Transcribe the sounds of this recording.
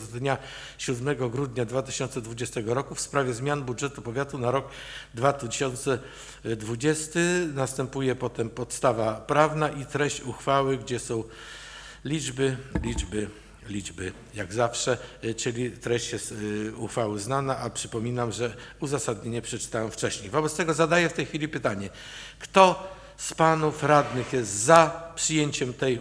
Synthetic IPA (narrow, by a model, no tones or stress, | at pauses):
zd̪ɲa | ɕud̪mɛɡɔɡɾud̪ɲad̪vat̪ɘɕɔnt̪sɛd̪vud͡ʑɛst̪ɛɡɔɾɔkufspɾavʲjɛzmʲjanbudʐɛt̪upɔvʲjat̪unaɾɔk | d̪vat̪ɕɔnt̪sɛ | d̪vud͡ʑɛst̪ɘnast̪ɛmpujɛpɔt̪ɛmpɔt̪st̪avapɾavnaʔit̪ɾɛɕt͡ɕuxfawɘɡd͡ʑɛsɔ̃w̃ | lʲid͡ʐbɘlʲid͡ʐbɘ | lʲid͡ʐbɘ | jaɡzafʂɛt͡ʂɘlʲit̪ɾɛɕt͡ɕjɛst̪uxfawɘznanaʔapʂɘpɔmʲinamʐɛuzasad̪̚ɲeɲɛpʂɛt͡ʂɘ̥t̪awɛmft͡ʂɛɕɲejvɔbɛt̪st̪ɛɡɔzad̪ajɛft̪ɛjxfʲilʲipɘt̪aɲɛ | kt̪ɔ | spanufɾad̪nɘxjɛst̪zapʂɘjeɲt͡ɕɛmt̪ɛj